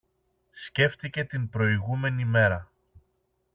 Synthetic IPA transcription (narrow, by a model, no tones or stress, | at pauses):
sce̞ft̪ice̞t̪inpɾo̞iɣume̞nime̞ɾɐ